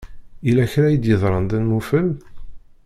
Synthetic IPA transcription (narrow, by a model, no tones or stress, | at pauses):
ilæçɾæjəd̪jəðˤɾˤənd̪ænmufəl